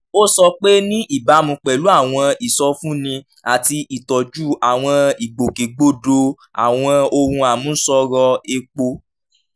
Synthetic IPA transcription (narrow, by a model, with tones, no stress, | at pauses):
o˦sɔ˧k͡pe˦nĩ˦ʔi˦˨ba˨˦mũ˧k͡pɛ˨lu˨˦a˦˨w̃ɔ̃˧i˨sɔ˧fũ˦nĩ˧ | a˨ti˧ʔi˨tɔ˨d͡ʒu˦a˨w̃ɔ̃˧i˨ɡ͡bo˨ke˨ɡ͡bo˦do˧ | a̰˨w̃ɔ̃˧o˧ɾũ˧a˨mũ˨˦n̩˦sɔ˧ɾɔ˧e˧k͡po˧